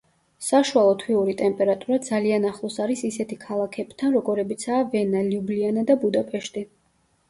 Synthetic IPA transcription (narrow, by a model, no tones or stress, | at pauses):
saʃualˠɔt̪ʰwiuɾit̪ʼɛmpʼɛɾat̪ʼuɾad̪zalianaχlˠɔsaɾisisɛt̪ʰikʰalˠakʰɛb̥t̪ʰanɾɔɡɔɾɛbit̪sʰaːvɛnaliublianad̪abud̪apʼɛʃt̪ʼi